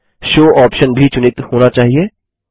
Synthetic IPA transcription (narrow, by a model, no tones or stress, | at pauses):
ʃoːɔːpʃənbʱit͡ʃʊnɪt̪hoːnat͡ʃaːɦieː